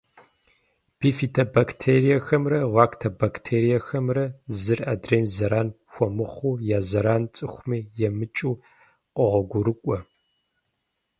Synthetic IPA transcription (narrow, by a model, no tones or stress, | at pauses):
b̥iːfitʰɐbaktʰeːrijɐxɐmrɐʁʷaːkʰtʰɐbaktʰeːɾijɐxɐmrɐzɨraːdreːmzɐɾaːn | xʷɔmɨχʷuːjaːzɐɾaːnt͡sʼɨxʷmiːjɛmɨt͡ʃʼuː | qʷʼɔʁʷɐɡʷʊɾɨkʷʼɔ